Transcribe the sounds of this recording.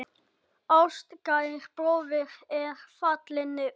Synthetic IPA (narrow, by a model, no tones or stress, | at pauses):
awst̪kajxpɾoːwvɪɾ̥ɛɾ̥fat̪lɪnɪ